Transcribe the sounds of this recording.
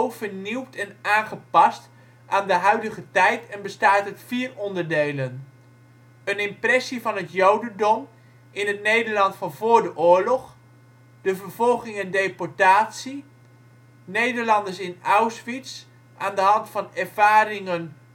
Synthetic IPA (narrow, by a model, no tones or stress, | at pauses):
wvəɹniwtʰɛnaːnχəpɑst | ʔaːndəɦœɥdəχətɛjtɛnbəstaːtətfiːrɔndəɹdejlən | ənɪmprɛsivɑnɦətjowdəndɔm | ɪnɦətnejdəɹlɑntfɑnvʊːɹdəʔʊːɹlɔχ | d̥əvəɹv̥ɔlˠχɪŋɛndejpɔɹtaːtsi | nejdəɹlɑndəɹsɪnawsʋits | ʔaːndəɦɑntfɑnɛrv̥aːɾɪŋən